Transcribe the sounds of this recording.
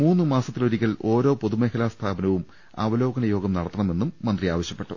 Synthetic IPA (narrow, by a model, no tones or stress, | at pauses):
muːnːɨmaːsɐt̪ːiloɾikʲːɐlʔo̞ːɾo̞ːpo̞ðumeːkʰɐlaːst̪ʰaːbɐnɐʋum | a̰ːʋɐlo̞ːɡɐnɐjo̞ːɡɐmnɐɽɐt̪ːɐɳɐme̞nːumːɐnd̪riaːʋɐɕjɐpːe̞ʈːṵ